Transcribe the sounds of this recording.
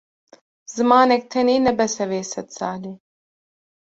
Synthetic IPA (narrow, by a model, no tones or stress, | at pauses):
zɨmɑːnɛk̚t̪ʰɛniːnɛbɛsɛveːsɛt̪sɑːleː